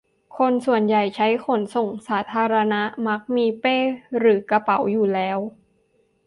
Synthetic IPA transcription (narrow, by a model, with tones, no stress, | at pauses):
kʰo˧nsu˨˩ənja˨˩jt͡ɕʰa˦˥jkʰo˩˦nso˨˩ŋsaː˩˦t̪ʰaː˧ɾa˧na˦˥ʔma˦˥k̚miː˧peː˥˩ɾɯː˩˦ka˧pa˨˩˦wjuː˨˩lɛː˦˥w